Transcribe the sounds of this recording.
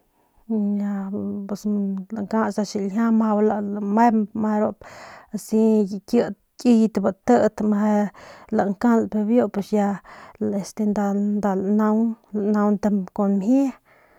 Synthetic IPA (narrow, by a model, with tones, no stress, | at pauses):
ja˧pe˨sla˨ŋka˦sa˧ʃi˧˨ljʲa˦ma˧wla˨lame˦mma˧ɾo˧psi˦ji˨kjə˧t̪ | kʲi˧jt̪ba˧˨t̪ə˦˧t̪ma˧la˨ŋka˦la˨pe˧bjo˦pe˧sja˧le˧st̪e˧nd̪a˧nd̪a˧la˨na˧wnla˨na˧wnt̪a˧ko˨nmhe˦